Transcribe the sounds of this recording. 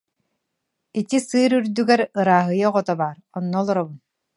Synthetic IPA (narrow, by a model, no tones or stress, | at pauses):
it̪isɯːɾyɾd̪yɡɛɾɯɾaːɦɯjaʁɔt̪ɔbaːɾɔnːɔlˠɔɾɔbun